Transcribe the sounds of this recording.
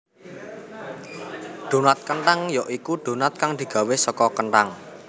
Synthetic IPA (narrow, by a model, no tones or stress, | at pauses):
ɖ̪̥o̤nat̪̚kəɳʈaŋjɔʔikuɖ̪̥o̤nat̪̚kaŋd̪̥i̤ɡ̥a̤wesɔkɔkəɳʈaŋ